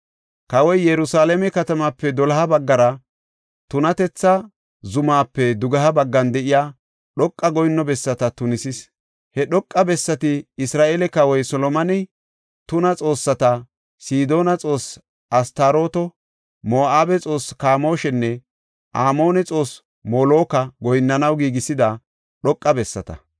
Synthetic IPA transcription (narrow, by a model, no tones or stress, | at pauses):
kɐwɔjːɛɾʊsaːlɛmɛkɐt̪ɐmapːɛd̪ɔlɐɦɐbɐɡːɐɾɐ | t̪ʊnɐt̪ɛt͡sːɐ | zʊmaːpːɛd̪ʊɡɐɦɐbɐɡːɐnd̪ɛʔɪjaː | ɗɔkʼːɐɡɔjnːɔbɛsːɐt̪ɐt̪ʊnɪsɪs | hɛɗɔkʼːɐbɛsːɐt̪ɪɪsɾaːʔeːlɛkɐwɔjsɔlɔmɐnɛ | t̪ʊnɐt͡sʼo̞ːsːɐt̪ɐ | siːd̪o̞ːnɐt͡sʼo̞ːs | ʔɐst̪aːɾo̞ːt̪ɔ | mo̞ːʔaːbɛt͡sʼo̞ːskaːmo̞ːʃɛnːɛ | ʔaːmo̞ːnɛt͡sʼo̞ːs | moːlo̞ːkɐɡɔjnːɐnɐwɡiːɡɪsɪd̪ɐ | ɗɔkʼːɐbɛsːɐ̰t̪ɐ̰